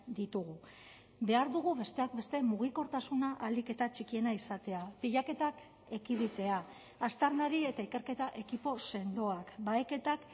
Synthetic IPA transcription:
d̪it̪uɣ̞u | be̞aɾðuɣ̞uβe̞st̪e̞ak̚be̞st̪e̞muɣiko̞ɾt̪asunaʔald̪ike̞t̪at͡ʃikie̞naisat̪e̞apiʎake̞t̪ak | e̞kiβit̪e̞a | ast̪aɾnaɾie̞t̪aike̞ɾke̞t̪aʔe̞kipo̞se̞nd̪o̞akbaeke̞t̪ak

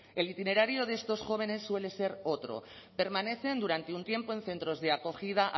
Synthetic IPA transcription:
e̞lit̪ine̞ɾaɾjoðest̪o̞sxo̞β̞e̞ne̞sːwe̞le̞se̞ɾo̞t̪ɾo̞̰pe̞ɾmane̞θe̞nd̪uɾant̪e̞unt̪je̞mpo̞e̞nθe̞nt̪ɾo̞zðe̞ako̞xið̞aʔ

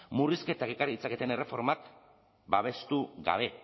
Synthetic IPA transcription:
muriske̞t̪ake̞kariit͡sake̞t̪ene̞re̞fo̞ɾmak | baβ̞e̞st̪uɣa̰β̞e̞

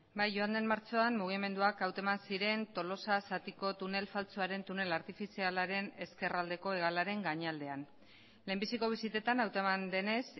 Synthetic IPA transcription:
bajʝoand̪e̞mmaɾt͡so̞anmuɣ̞ime̞nd̪uakawt̪omansiɾe̞nt̪o̞lo̞sasat̪iko̞t̪une̞lfalt͡soaɾe̞nt̪une̞laɾt̪ifisialaɾe̞ne̞ske̞rald̪e̞ko̞e̞ɣ̞alaɾe̞ŋɡaɲald̪e̞an | le̞mbisiko̞β̞isit̪e̞t̪anawt̪oemand̪e̞ne̞s

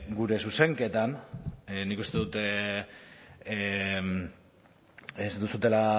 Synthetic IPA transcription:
ɡuɾe̞suse̞ŋke̞t̪an | nikust̪e̞ðut̪e | m | esd̪usut̪e̞la

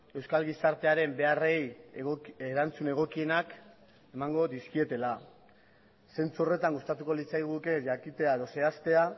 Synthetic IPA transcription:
e̞wskalɣisaɾt̪e̞aɾe̞mbe̞are̞j | eɾant͡sune̞ɣ̞o̞kie̞nak | e̞maŋɡo̞ðiskie̞t̪e̞la | se̞nt͡suo̞re̞t̪aŋɡust̪at̪uko̞lit͡sajɣ̞uke̞ʝakit̪e̞aeðo̞se̞ast̪e̞a

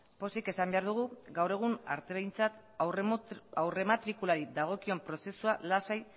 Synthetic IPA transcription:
po̞seke̞sambe̞aɾðuɣ̞uɡawre̞ɣ̞una̰ɾt̪e̞βejnt͡sat̪ | awre̞mat̪ɾikulaɾid̪aɣ̞o̞kio̞mpɾo̞se̞sualasaj

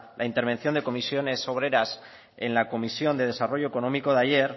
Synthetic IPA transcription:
lʔaint̪e̞ɾβe̞nθjo̞nd̪e̞ko̞misjo̞ne̞so̞β̞ɾe̞ɾas | ḛnlako̞misjo̞nd̪e̞ð̞e̞saro̞ʝo̞eko̞no̞miko̞ðaʝe̞ɾ

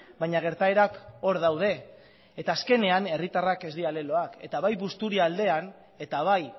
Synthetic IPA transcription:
bajɲaɣ̞e̞ɾt̪aeɾako̞ɾðawð̞e̞ː | t̪aːske̞ne̞ane̞rit̪arake̞zd̪iale̞lo̞ake̞̰t̪aβajβust̪uɾiald̪e̞an | e̞t̪aβ̞aj

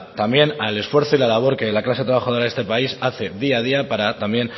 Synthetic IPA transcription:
t̪ambje̞nale̞sfwe̞ɾθoilalaβ̞o̞ɾke̞laklas̞t̪ɾaβaxaðo̞ɾaðe̞st̪e̞paisaθe̞ðiað̞iapaɾat̪amje̞n

